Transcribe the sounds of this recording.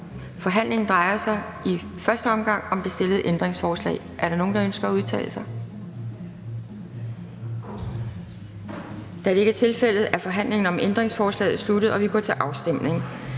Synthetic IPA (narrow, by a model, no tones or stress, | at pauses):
fɒ̽ɦæn̰le̝ŋn̩d̥ʁɑ̈ɪɐsɑ̈ɪ | i | fɶɐsd̥əɒ̽mɡ̥ɑ̈ŋ̰ɒ̽md̥e̝sd̥e̝lð̩ˠʔend̥ʁeŋsfɒːslɛ̰ːɪʔæɐɾɑ̈no̝ːn̩d̥ɑ̈ønsɡ̥ɐæuð̞ˠt͡sʰɛ̰ːləsɑ̈ɪ | d̥ææɾee̝ɡ̥æt͡sʰe̝lfel̰ð̞̩ˠæɐfɒ̽ɦæn̰le̝ŋn̩ɒ̽mʔend̥ʁeŋsfɒːslɛ̰ːð̩ˠslud̥ð̞̩ˠɒ̽ʋiɡ̥ɒ̰t͡sʰeʔɑ̈ʊsd̥em̰ne̝ŋ